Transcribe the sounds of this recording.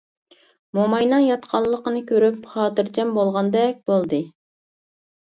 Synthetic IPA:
momɑjnɑŋjɑt̪qʰɑlˠːəqənɨkʲʰøɾypχɑːt̪ɨɾt͡ʃʰɛmbolˠʁɑnd̪ɛk̚ʲbolˠd̪ɨ

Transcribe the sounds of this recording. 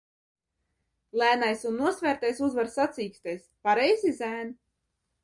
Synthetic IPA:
lˠæːnajsunːuɔsvæːɾt̪ajsuzvaɾsat̪sʲiːksʲt̪ɛjspaɾɛjzizæːn

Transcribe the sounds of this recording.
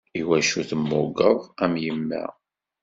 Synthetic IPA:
iwæʃuθəmːʊɡəðˤæmjəmːæ̰

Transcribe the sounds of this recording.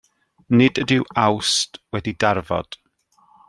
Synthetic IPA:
nɪdədɪwawstwɛdidarvɔ̰d̥

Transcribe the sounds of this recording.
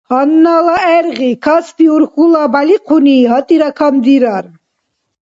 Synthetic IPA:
hanːalaɛɾʁikʰaspiuɾχulabaliqʰuniɦat̪ʼiɾakʰamd̪iɾaɾ

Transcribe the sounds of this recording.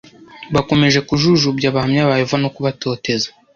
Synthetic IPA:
βako̞me̞ʒe̞kuʒuʒubɟaβahamɲaβajevano̞kuβato̞ːte̞zḁ

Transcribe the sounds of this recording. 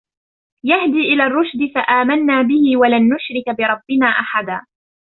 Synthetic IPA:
jahd̪iːʔɪlaːrˤːʊʃd̪ɪfaʔaːmanːaːbɪhɪwalanːʊʃɾɪkbɪɾˤɑbːɪnaːʔaħad̪aː

